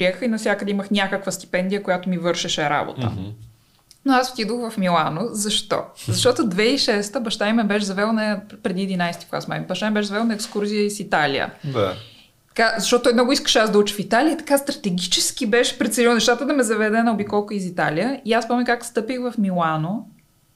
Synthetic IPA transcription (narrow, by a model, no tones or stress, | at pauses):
pɾiɛxəxinɐfs̬ʲjakəd̪ɛiməxnʲakəkvəst̪i̥pɛnd̪ijəkojat̪omivɤɾʃɛʃɛɾa̰bo̰t̪ə̰ | noaz̥t̪id̪oxvɐfmilˠanozɐʃt̪ɔ̰zɐʃt̪ɔt̪ʊd̪vɛiʃɛst̪əbɐʃt̪ajmɛbɛʃ̬zɐvɛlˠnɐpɾɛd̪iɛd̪inajst̪iklˠa̰sma̰jmɛbɐʃt̪ajmbɛʃ̬zɐvɛlˠnɐɛkskuɾziəisit̪alḭjə̰d̪a | t̪kazɐʃt̪ɔt̪ot̪ːɔjmnɔɡʊiskə̥ʃɛazd̪ɐut͡ʃɛ̥fit̪aliət̪ɐ̥kast̪ɾɐt̪ɛɡʲit͡ʃɛsk̟ibɛʃɛ̥pɾɛt̪sliwˠnɛʃt̪at̪əd̪ɐmɛzɐvɛd̪ɛnɐobikɔlˠkʊizit̪aliəiaspɔmʲəkakst̪ɤpixvɐfmilˠano